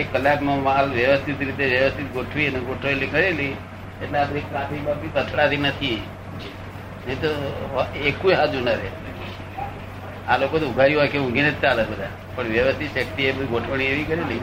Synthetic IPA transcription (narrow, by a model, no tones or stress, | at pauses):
ekːəlːaknomalʋjəʋəst̪ʰit̪ɾit̪eʋjəʋəst̪ʰit̪̚ɡoʈʰʋineɡoʈʰoelikəɾeli | eʈlead̪ɾekːab̪ibabʱipət̪ʰɭat̪inət̪ʰi | ɦet̪o | ekujɦad͡ʒunəɾe | alokot̪uɡʱaɾjũɦɔjkeũɡinet̪t͡ʃaələɡbəd̪ʱa | pəɳʋjəʋəst̪ʰit̪ʃəkt̪iebɡoʈʰʋəɳ̃ieʋikəɾeli